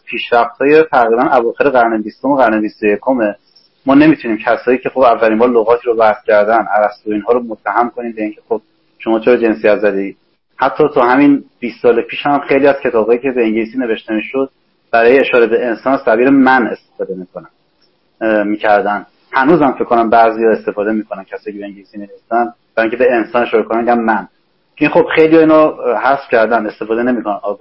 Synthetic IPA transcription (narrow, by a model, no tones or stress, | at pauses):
pʰiːʃɾæft̪̚hɒːjet̪ʰæɣɾiːbænʔævɒːxe̞ɾeɣæɾnebist̪o̞meɣæɾnebist̪oje̞kʰo̞me | mɒːne̞miːt̪ʰuniːmcʰæsɒːjiːcʰexobævːæɾiːmbɒːɾloɣɒːt̪ʰiːɾobæhscʰæɾd̪ænʔæɾæst̪oiːnɦɒːɾomot̪ʰːæɦæmkʰo̞niːmbeiːŋcʰe̞xob̥̚ | ʃo̞mɒːt͡ʃʰe̞ɾɒd͡ʒe̞nsijæt̪zæd̪eiːd̪ | hæt̪ʰːɒːt̪ʰɒːhæminb̥iːst̪ːsɒːlepʰiːʃhæmxejliːæz̥cʰe̞t̪ʰɒːb̥hɒːjiːcʰe̞beiŋɟeliːsine̞ve̞ʃt̪e̞miːʃod̪̚ | b̥æɾɒːjeeʃɒːɾebe̞ensɒːnæsæbiːɾemæne̞st̪efɒːd̪e̞mikʰonæ | miːcʰæɾd̪æn | hænuːzhæmfekʰːonæmbæʔzijɒːe̞st̪e̞fɒːd̪e̞miːkʰonæncʰæsɒːjːcʰeeeɲɟeliːsinevest̪æn | bæɾɔːiŋcʰebe̞ensɒːne̞ʃɒːɾekonænmiɟænmæn | inχo̞b̥χe̞jlijɒːiːnɔhæsfcʲʰæɾd̪ænd̪e̞st̪e̞fɒːd̪ene̞mikʰo̞nænɒːɡ